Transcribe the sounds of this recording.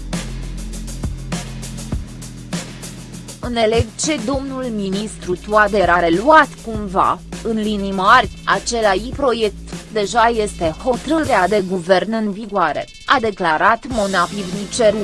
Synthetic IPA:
ɨne̞le̞ɡt͡ʃe̞d̪o̞mnulminist̪ɾut̪uad̪e̞ɾaɾe̞luat̪kumva̰ɨnlinimarʲat͡ʃe̞laipɾo̞je̞k̚t̪d̪e̞ʒaje̞st̪e̞ho̞t̪ɾɨɾead̪e̞ɡuve̞rnɨnviɡoaɾe̞̰ | ad̪e̞klaɾat̪mo̞napivnit͡ʃeɾu

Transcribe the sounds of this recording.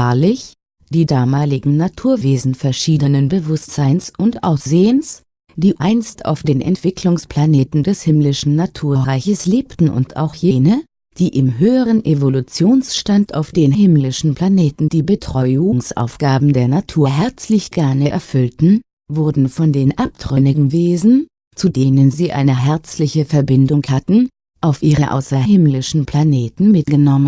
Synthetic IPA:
aɐlɪç | d̥iːdaːmaːlɪɡŋ̩natʰuːɐveːzn̩fɛɐʃiːdənənbəvʊstz̥aɪnsʊntʔa̰ʊsz̥eːəns | d̥iːʔaɪnsta̰ʊfd̥eːnʔɛ̰ntv̥ɪkʰlʊŋspl̥aneːtn̩dɛshɪmlɪʃn̩nːatʰuːɐʁaɪçəsleːptn̩ʊ̰ntʰa̰ʊxjeːnə | d̥iːʔɪmɦøːəʁ̞ənʔevolut͡sjoːnsʃtanta̰ʊfd̥eːnhɪmlɪʃn̩pʰl̥aneːtn̩d̥iːbətʁ̥ɔʏuŋsʔa̰ʊfɡ̥aːbm̩deːɐnatʰuːɐɦɛɐt͡slɪçɡ̥aɐnəʔɛ̰ɐfʏltn̩ | vʊɐdn̩fɔndeːnʔapd̥ʁʏnɪɡŋ̩veːzn̩ | t͡sudeːnənziːʔa̰ɪnəɦɛɐt͡slɪçəfɛɐbɪndʊŋhatn̩ | ʔaʊfʔiːʁəʔa̰ʊsɐhɪmlɪʃn̩pʰl̥aneːtn̩mɪt̚ɡ̥ənɔmən

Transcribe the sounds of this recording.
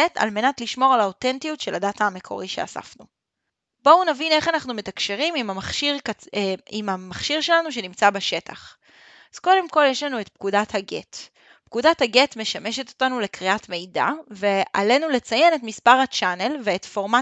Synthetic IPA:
eta̰lme̞natliʃmo̞ʁalaotentijutʃe̞ladataːme̞kʰo̞̰ʁiʃe̞̰a̰sa̰fnu | bo̞unavine̞χanaχnume̞takʃe̞ʁimimamaχʃiʁ | imamaχʃiʁʃe̞lanuʃ̬e̞nimt͡sabaʃe̞ta̰χ | az̥ko̞de̞mko̞ljeʃlanue̞tp̚kudathaɡḛt | pkudathaɡetme̞ʃame̞ʃeto̞̥tanule̞kʁiʔatme̞jda̰ve̞ʔa̰le̞nule̞t͡saje̞ne̞tmispaʁat͡ʃane̞lveːtfo̞ʁma

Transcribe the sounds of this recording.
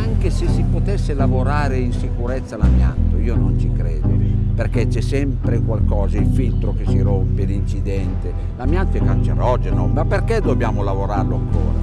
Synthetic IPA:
aŋkesesipot̪ɛsːelavoɾaːɾeinsikuɾɛt̪sːalamja̰nt̪oiːonont͡ʃikɾɛːd̪operk̟et͡ʃːɛsːɛmpɾekwalkɔːzailfilt̪ɾokesːiɾompelint͡ʃid̪ɛnt̪e | lamjant̪oɛkːant͡ʃeɾɔd͡ʒenomapːerkɛd̪ːobjaːmolavoɾarloaŋko̰ːɾa̰

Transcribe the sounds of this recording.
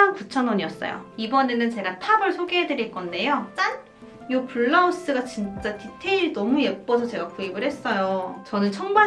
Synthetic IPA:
aŋput͡ɕʰʌnwʌɲiʌs͈ʌ̰jo̰ibʌne̞nɯnt͡ɕe̞ɡatʰabʌɭsʰoɡeɦedɯɾiɭk͈ʌnde̞jot͡ɕ͈an | jopuɭːaus͈ɯɡat͡ɕint͡ɕ͈atitʰe̞iɭnʌmuje̞p̚p͈ʌsʰʌt͡ɕe̞ɡakuibɯɭhe̞s͈ʌjot͡ɕʌnɯnt͡ɕʰʌŋma

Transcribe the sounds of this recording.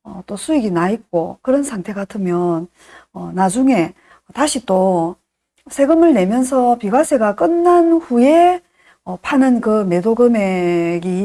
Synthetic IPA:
ʌ̰t͈osʰuiɡinait̚k͈okɯɾʌnsʰaŋtʰe̞ɡatʰɯmjʌn | ʌnad͡ʑuŋe̞ | ʌtaɕʰit͈o | sʰe̞ɡɯmɯɭne̞mjʌnsʰʌpiɡwasʰe̞ɡak͈ɯnːanɸuje̞ | ʌpʰanɯnkɯme̞doɡɯmeɡi

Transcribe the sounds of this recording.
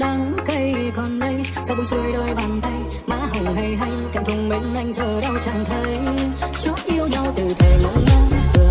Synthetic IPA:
ɗaːŋkəjkɔnɗəj | səwŋ͡msuəjɗojɓaːnt̪aj | ma̰ːɦəwɦəjɦajkat̪ʰʊŋ͡mɓinʔajŋ̟sʰəːɗəwt͡ɕaːnt̪ʰəjt͡ɕut̚ʔiəwzɔwt̪ɨt̪ʰeə

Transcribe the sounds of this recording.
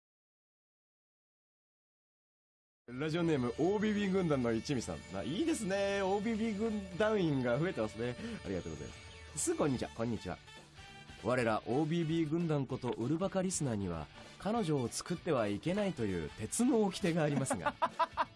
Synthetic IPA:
ɾaʑio̞ne̞ːmɯ̟ʔoːbʲiːbʲiːɡɯ̟̃nd̪ãnːo̞it͡ɕimʲisã̰mma̰iːd̪e̞sɨne̞oːbʲiːbʲiːɡɯ̟̃nd̪ãɯ̟̃ĩŋɡaɸɯ̟e̞t̪emasɨnea̰ɾiɡa̰t̪oɡozḛs | sɨkõ̞ɲ̟ːit͡ɕiβa̰kõ̞ɲ̟ːit͡ɕiβa̰ | βaɾe̞ɾaʔo̞ːbʲiːbʲiːɡɯ̟̃nd̪ãŋko̞t̪o̞ʔɯ̟ɾɯ̟bakaɾʲisɨnaːɲ̟iβa̰kʰano̞ʑo̞ːt͡sɨ̥kɯ̟t̪ːe̞β̞aike̞nait̪o̞jɯ̟̰ːt̪e̞t͡sɨno̞ːkʲi̥t̪e̞ɡaːɾʲimasɨɡa̰

